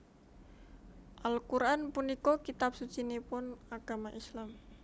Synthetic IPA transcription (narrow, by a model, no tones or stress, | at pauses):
ʔalkuɾʔanpunikokit̪ap̚sut͡ʃinepʊnaɡ̥amaʔislam